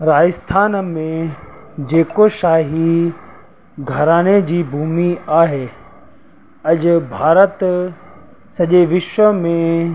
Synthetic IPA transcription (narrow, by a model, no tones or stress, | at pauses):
ɾaːɪst̪ʰaːnmẽ | d͡ʑeːkoʃaːɦi | ɡʱɐɾaːñed͡ʑiːbʱuːmiaːɦeː | ɐʄʊbʱaːɾət̪ | sɐʄeʋɪʃʋəmẽ